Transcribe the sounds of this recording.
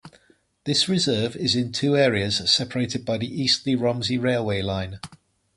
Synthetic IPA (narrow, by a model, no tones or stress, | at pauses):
ðɪsɹɪzɜːvɪzɪ̃ntʰʉːɛːɹiəz̥sɛpʰəɹeɪtɪd̚baɪðiʔiˑstʰliɹɒ̃mziɹeɪlˠweɪlãɪ̃n